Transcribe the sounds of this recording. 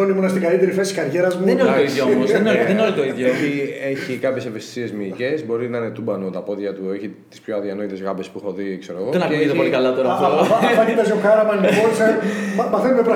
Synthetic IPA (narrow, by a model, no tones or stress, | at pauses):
onimunɐst̪iɡɐlit̪e̞ɾifesiskɐɾʝe̞ɾɐzmuenoit̪oiðjoomosenolenolit̪oiðʝoeieçikɐpçe̞sevest̪i̥sie̞zmiːce̞zbo̞ɾinɐɐnet̪ubɐnot̪ɐpo̞ðʝɐt̪ueçi | t̪i̥spçoɐðiɐno̞it̪e̞zɣɐbespuxoðiekse̞ɾoɣoðenɐkit̪eolikɐlɐt̪oɾɐfoɐfɐip̪ɐsoxɐɾɐmɐnioɾsɐɐmɐθenumepɾɐ